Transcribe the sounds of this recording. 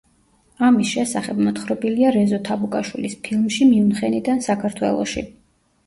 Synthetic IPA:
amisʃɛsaχɛbmɔt̪χɾɔbiliaɾɛzɔt̪ʰabukʼaʃwḭlispʰilˠmʃimiunχɛnid̪ansakʰaɾt̪ʰwɛ̰lˠɔ̰ʃḭ

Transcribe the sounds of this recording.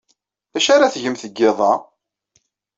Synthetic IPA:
æʃaɾaθʝəmθəɡːɪðˤɑ

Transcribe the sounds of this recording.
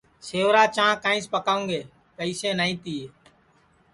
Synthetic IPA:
seːʋɾaːt͡ʃãːkãːĩːspəkaːũːŋɡeː | pəiːsẽːnaːĩːt̪iː

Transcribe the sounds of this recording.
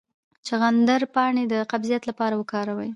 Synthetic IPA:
t͡ʃeɣand̪aɾpɑɳed̪əqabzijat̪lapɑɾawəkɑɾawəj

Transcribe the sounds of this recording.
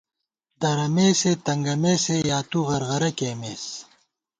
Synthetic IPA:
d̪ɐɾɐmeːset̪ɐŋɡɐmeːsejaːt̪uɣɐɾɣɐɾɐkeːmeːs

